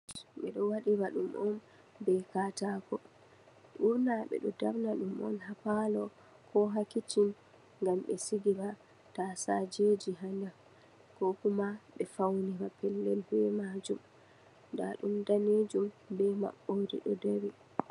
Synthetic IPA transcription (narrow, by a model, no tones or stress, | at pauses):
ɓɛɗɔwaɗibaɗumʔɔn | bɛkatakɔ | ʔuɾnaɓɛ̰ɗɔdabnaɗumʔɔ̰nɦapalɔ | kʰɔɦakitin | ŋɡamɓɛsiɡiba | tasad͡ʒed͡ʒiɦanda | kɔkumaɓɛfawnibapɛlːɛlbɛmad͡ʒum | nda̰ɗumdaned͡ʒumbɛma̰ɓːodḭɗɔdewi